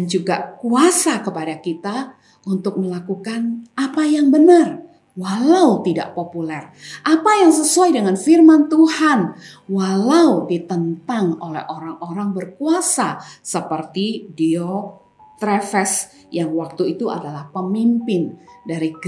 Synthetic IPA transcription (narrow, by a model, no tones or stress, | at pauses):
dand͡ʒuɡakuasakəpadakit̪a | ʔunt̪ʊk̚məlakukanapajaŋbənər | walaut̪ida̰ʔpopulɛrʔapajaŋs̬əsuajdəŋanfirmant̪uhan | walaudit̪ənt̪aŋolɛ̰hʔoɾaŋoɾaŋbərkuasasəpərt̪idio | t̪ɾɛfɛs | jaŋwak̚t̪uit̪ua̰dalahpəmimpɪndaɾiɡ